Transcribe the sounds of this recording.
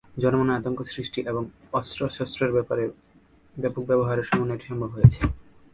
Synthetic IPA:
d͡ʑɔnomoneat̪oŋkosɾiʃʈiʔeboŋ | ɔsɾosɔst̪ɾeɾɾe | bɛpok̚bɛboɦaɾeɾʃɔmoneʈi̥ʃɔmbʱobɦojet͡ɕʰe̥

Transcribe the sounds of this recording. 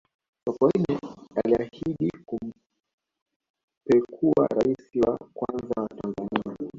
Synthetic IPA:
kakainɛaliahiɗikum̩ | pɛkʰua̰ɾaisiwa̰kwanzawatanzania

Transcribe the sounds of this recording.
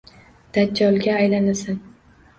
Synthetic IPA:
d̪̥ad͡ʒɒlˠɡʲaːjlanasan

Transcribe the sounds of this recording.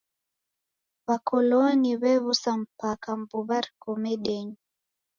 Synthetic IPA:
βakʰɔlɔniβɛβusam̩pakambuβaɾkɔmɛɗɛɲi

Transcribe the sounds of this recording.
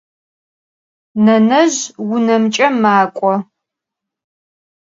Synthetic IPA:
nɐnɐʑwʊnɐmt͡ʃʼɐmaːkʷʼɔ

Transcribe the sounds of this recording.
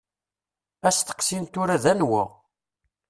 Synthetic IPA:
æst̪ə̥qsint̪ʊɾæðænwə̰ʁ

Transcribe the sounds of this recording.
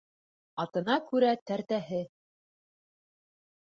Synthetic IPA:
ɑt̪ɤ̆nɑkʉɾæt̪æɾt̪æɦɘ

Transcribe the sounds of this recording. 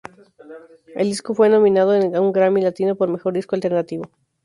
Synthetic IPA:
e̞ld̪isko̞fwe̞no̞mĩnað̞oenuŋɡɾamilat̪inopo̞ɾme̞xo̞ɾd̪iskoalt̪e̞ɾnat̪iβo̞

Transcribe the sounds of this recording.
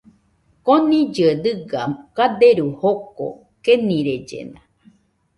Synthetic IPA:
konĩd͡ʒɨed̪ɨɡakad̪eɾuhoko̰ | kenĩɾed͡ʒḛnã

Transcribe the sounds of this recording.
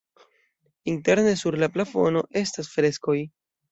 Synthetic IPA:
inte̞ɾne̞suɾlaplafo̞̰no̞ʔe̞stasfɾe̞sko̞j

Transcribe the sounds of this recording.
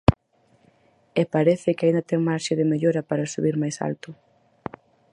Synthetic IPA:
ɛpaɾɛθɪkɪaind̪at̪ɛŋmaɾʃɪðɪmeʎoɾɐpaɾasuβiɾmajsa̰lt̪ʊ

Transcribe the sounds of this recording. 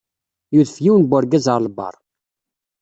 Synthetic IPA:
juðfjiwnbʷʊɾɡæzəɾˤləbɑ̰rˤ

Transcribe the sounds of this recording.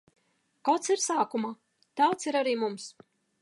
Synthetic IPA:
kawt̪siɾsaːkuma | t̪awt̪siɾaɾiːmums

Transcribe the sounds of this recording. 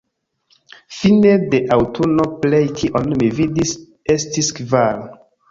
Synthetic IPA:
finedeʔawtʰunoplejtʰiʔɔ̃nmividis | estiskval

